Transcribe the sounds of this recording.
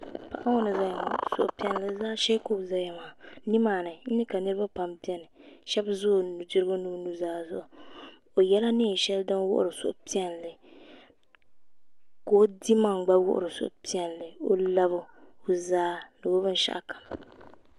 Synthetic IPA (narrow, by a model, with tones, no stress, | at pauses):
pa̰˨ʔa˦wo˦nɨ˨za˦ja˨ma˨so̰˨ʔpi˦ɛ˦n˦lɨ˦zaː˦ʃɛ˦ko˦˨za˦ja˨ma˨ni˦maː˨nɨ˨n̩˦nɨ˦ka˨nɨ˦ɾɨ˦ba˦pa˨mpi˦ɛ˦nɨ˨ʃɛ˦bzʊ˦˨nu˨dɨ˦ɾɨ˦ɡo˦nu˦nu˦zaː˦zʊ˨ʔʊ˨ | o˨jɛ˦la˦nɪ˦˨ʃɛ˦ldɨ˦n˦wʊ̰˦ʔʊ̰˨ɾɨ˨sʊ̰˦˨ʔpi˦ɛ˦n˨lɨ˨ | ko˨o˦di˦ma˦˨ŋ˨ɡ͡ba˦wʊ̰˦ʔʊ̰˦˨ɾɨ˨so̰˦ʔpi˦ɛ˨n˨lɨ˨o˦la˦bʊ˦o˦zaː˦nɨ˨bo˦bɨ˦n˦ʃa̰˦ʔkḁ˨m